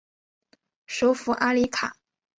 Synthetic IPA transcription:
ʂo˧˥ʊfu˧˥ʔa˥li˧˥kʰa̰˨˩˦

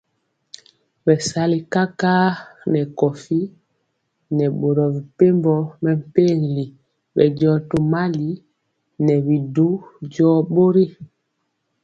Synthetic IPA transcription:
bɛ˨sa˦li˨ka˦ka˦nɛ˨kɔ˨fi˦ | nɛ˨ɓo˨ɾɔ˨vi˨pe˦mbɔ˦mɛ˨m̩˨pe˦˨ŋ˨li˨ | ɓɛ̰˨ɟɔ˦tu˨ma˦li˦ | nɛ˨βi˨du˦ɟɔ˦ɓo˦ɾi˦

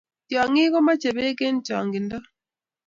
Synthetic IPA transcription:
tja˨ŋɪ˦kɔ˦ma˦t͡ʃe˨βe˦ke˦n˦t͡ʃa˨ŋɡɪ˨ndɔ˦

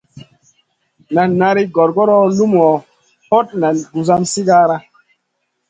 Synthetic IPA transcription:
na˨nːa˧ɾi˦ɡɔ˨ɾɡɔ˦ɾɔ˦lu˦m˨ɔ˨ | po˦t̚na˨nɡu˨za˦msi˦ɡa˦ɾa˦

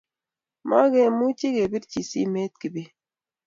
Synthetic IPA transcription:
ma˦ɡɛ˦mu˦t͡ʃi˦ɡe˨bi˦tt͡ʃi˨sḭ˦me˦t̪̚ki˨be˦

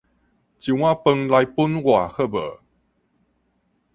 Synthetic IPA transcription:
t͡ɕi˨wã˦˧pə˧ŋla˧jpu˦nwa˨˩˨hə˥˧bə̰˨˩

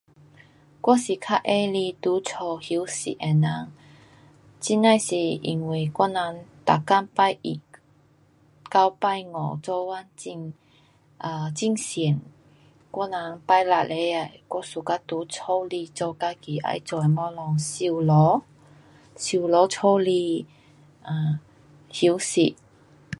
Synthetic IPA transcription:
kwɔ˥si˨˩kʰa˧˥ʔʔe˧li˧t̪u˨˦t͡sʰɔ˧˩hi˨˧˦wsḭ˨ʔɛ˨˩na˧˥˦ŋ | t͡ɕi˥na˥˧jsi˨˩ḭ˨˩ŋwi˨˩kwɔ˥na˧˦ŋt̪a˨ka˥npa˥˧jʔḭ˨˩ | ka˧wpa˥˧jŋɔ̰˨˩t͡sɔ˧wa˦˥ni˧ŋ | ʔa˧˩t͡ɕi˥˧ŋsɛ˨˩n | kwɔ˥na˧˥npa˥˧jla˧˩le˨˧˦a˨˧˩jkwɔ˥su˨˩ka˦˧t̪u˨˦t͡sʰɔ˥˦wli˧t͡sɔ˧ka˧ki˨˩ʔa̰˧˥jt͡sɔ˨˧˨mɔ˧˦lɔ˧ŋsi˧wlɔ˨˧˦ | si˧˩˨lɔ˨˧˦t͡sʰo˥˦wli˧ | ʔa˧˩ | hi˧˦wsi˧˩t

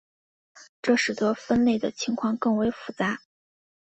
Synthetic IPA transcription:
ʈ͡ʂɤ˥˩ʂ̩˨˩t̪wɔ˥fə˥nle˥˩ɪd̪ə̰˩t͡ɕʰi˧˥ŋkʰwɑ˥˧ŋkɤ˥˩ŋwe˧˥ɪfu˧˩t͡sa˧˥

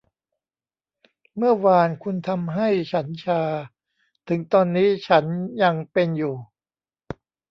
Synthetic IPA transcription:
mɯ˥˩ɐwaː˧nkʰu˧nt̪ʰa˧mɦa˥˩jt͡ɕʰa˦˥nt͡ɕʰaː˧ | t̪ʰɯ˩˦ŋt̪ɔː˧nːiː˦˥t͡ɕʰa˦˥nja˧ŋpe˧njuː˨˩

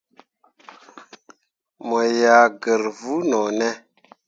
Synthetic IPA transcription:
mo˨ja˨ɡə˨ɾvu˦no˨nɛ˦

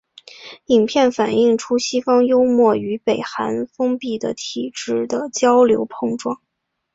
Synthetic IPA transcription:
i˨˩ŋpʰjɛ˥˩nfa˨˩ni˥˩ŋʈ͡ʂʰu˥ɕi˥fɑ˥ŋjo˥ʊmwɔ˥˩y˧˥pe˨˩ɪxa˧˥nfɤ˥ŋpi˥˩d̪ə̰˩t̪ʰi˨˩ʈ͡ʂɻ̩˥˩d̪ə˩t͡ɕjɑ˥ʊljo̰˧˥ʊpʰɤ˥˧ŋʈ͡ʂwɑ˥˩ŋ

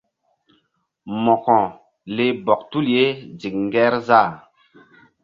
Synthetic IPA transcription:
mɔ˨kɔ̃˨ | le˦bɔ˨k̚tu˦lje˦zi˨k̚ŋ˦ɡɛ˦ɾzaː˦˨

